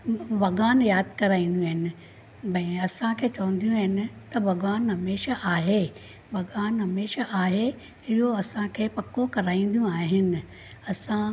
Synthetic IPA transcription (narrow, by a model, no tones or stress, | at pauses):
ʋɐɡaːnjaːd̪kɐɾaːĩːn̆d̪jũaɦɪnɪ̆ | bɐ̃ĩɐsãkʰeːt͡ɕɐʋə̃nd̪ijũɦɪnɪ̆t̪ɐʋɐɡaːnɦɐmeːʃaʔaːɦe | bɐɠaːnɦɐmeːʃaʔaːɦe | ɪɦoɐsãkʰeːpɐkokɐɾaːĩːn̆d̪ijũaːɦɪnɪ̆ | ɐsã